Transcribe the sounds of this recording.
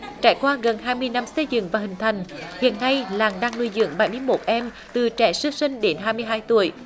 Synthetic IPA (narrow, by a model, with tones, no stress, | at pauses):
t͡ɕaː˧˩jkwaː˧ɣə˨˩nɦaː˧jmɨ˧əjna˧msə˧jzɨ̰˧˨ŋvaː˨˩hï˨˩ŋ̟t̪ʰa˨˩jŋ̟hḭ˧˨ənːa˧jlaː˨˩ŋɗaː˧ŋnu˧jzɨ̰˧˨əŋɓa˧˩jmɨ˧əjmo˨˩t̚ʔɛ˧m | t̪ɨ˨˩t͡ɕɛ̰˧˥sɨ˧˥sï˧ŋ̟ɗe˨˦nɦaː˧jmɨ˧əjɦaː˧jt̪ṵ˧˩˨əj